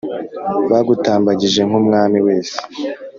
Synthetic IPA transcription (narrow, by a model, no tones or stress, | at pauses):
βaɡutaːmbaɟiʒe̞ŋ̥umŋaːmiwe̞ːse̥